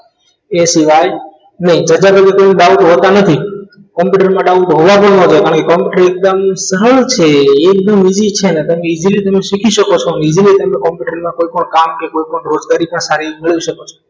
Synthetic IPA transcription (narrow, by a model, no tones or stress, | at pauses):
esiʋaj | nəɦĩd͡ʒəd͡ʒakəkekojnuɖauʈ̪ɦot̪anət̪ʰi | kɔmpjuʈəɾimãɖauʈ̪ɦoʋapəɳnõd͡ʒajkaɾəɳkekɔmpjuʈəɾek̚d̪əmsəɾəɭt͡ʃʰeːk̚d̪əmid͡ʒit͡ʃʰenet̪əmẽid͡ʒilit̪əmeʃikʰiʃəkot͡ʃʰonid͡ʒilit̪əmẽkɔmpjuʈəɾimãkoipəɳkamkekoipəɳɾod͡ʒɡaɾipəɳsaɾimɪɭʋiʃəkot͡ʃʰo̥